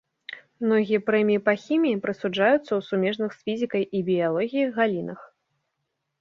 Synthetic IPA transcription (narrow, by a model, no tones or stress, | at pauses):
mnɔɣʲijɛpɾɛmʲijipɐxʲimʲijipɾɐsud͡ʐajut̪sːɐwsumʲɛʐnɨxsfʲizʲikɐjʔibʲijalˠɔɣʲijiɣalʲinɐx